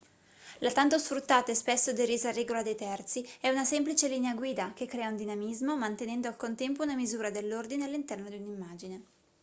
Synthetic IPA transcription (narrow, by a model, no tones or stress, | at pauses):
lat̪ant̪osfɾut̪ːaːt̪aɛspesːod̪eɾiːzarɛːɡolad̪ejt̪ɛrt̪siɛunasɛmplit͡ʃelineaɡwiːd̪akekːɾɛːaund̪inamizmomant̪enɛnd̪oalkont̪ɛmpounamizuːɾad̪elːord̪inealːint̪ɛrnod̪iunimːaːd͡ʒine